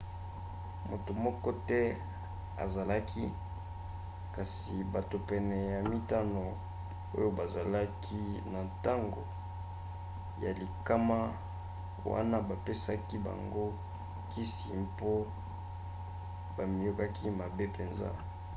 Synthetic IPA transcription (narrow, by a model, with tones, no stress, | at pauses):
mo˨to˨mɔ˦kɔ˦tɛ˦ | a̰˨za˨la˦kʰi˦ | ka˨s | i˨ba˨to˨pɛ˨nɛ˨ja˨mi˦ta˦no˨ | o̰˦jo˦ba˨za˨la˦kʰi˦na˨ta˦ŋɡo̰˨ | ja˨li˨ka˦ma˦ | wa̰˦na˦ba˨pe˦sa˦ki˦ba̰˨ŋɡo˦ | ki˦sḭ˨mpo˦ | ba˨mi˨jo˦ka˦kʰi˦ma˨be˦pe˨nza̰˦